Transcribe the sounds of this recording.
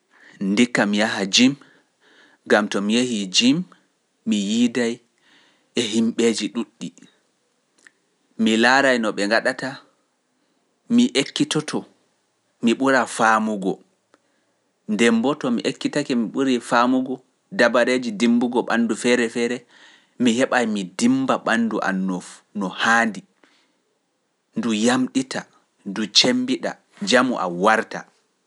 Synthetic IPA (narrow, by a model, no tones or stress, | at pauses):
ndikːamijaɦad͡ʒim | ɡamtɔmijehid͡ʒimː | ijidaj | ɛhimɓed͡ʒiɗuɗːi | milaːɾajnɔɓɛŋɡaɗata | miʔekːitɔtʰɔ | miɓuɾafamuɡɔ | ndɛmbɔtɔmḭʔekːitakɛmiɓuɾifamuɡɔ | dabaɾed͡ʒidimbuɡɔɓa̰ndufɛɾɛfɛɾɛ | mihɛɓajmidimbaɓanduʔa̰nːɔfnɔhaːndi | ndujamɗita | ndut͡ʃembiɗa̰ | d͡ʒamuʔa̰waɾta̰